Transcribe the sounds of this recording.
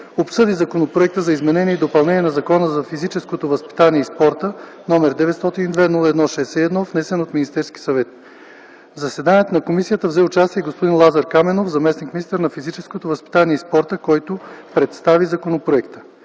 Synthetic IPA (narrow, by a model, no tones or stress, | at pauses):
opsɤd̪izɐkonopɾoɛk̚t̪əzɐizmɛnɛnʲiɛid̪opɐlˠnɛniɛnɐzɐkɔnəzɐfizit͡ʃɛskot̪ovəspi̥t̪aniɛispɔɾt̪ə | nɔmɛɾd̪ɛvɛt̪st̪ɔt̪inid̪vɛnulˠəɛd̪nɔʃɛːsɛɛd̪nɔvnɛsɛnot̪minist̪ɛɾski̥sɐvɛt̪ | zɐsɛd̪aniɛt̪onɐkomisijət̪əvzɛʊt͡ʃast̪iɛɡospod̪inlˠazɐɾkamɛnofzɐmɛsnikmʲinist̪əɾnɐfizit͡ʃɛskot̪ovɐspi̥t̪aniɛispɔɾt̪əkɔjt̪opɾɛt̪st̪avizɐkonopɾoɛkt̪ə̥